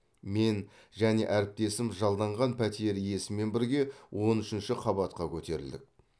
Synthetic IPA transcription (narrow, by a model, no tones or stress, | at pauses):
me̞n | ʒæne̞̰ʔæɾɪp̚t̪e̞sɪmʒɑlˠd̪ɑɴʁɑnpʰæt̪ije̞ɾije̞sɪmːe̞nbɪɾɡʲe̞wʔo̞nʏʃɪnʃɪqʰɑbɑt̪qɑkʲʰɵt̪e̞ɾɪ̰ld̪ɪ̰k̚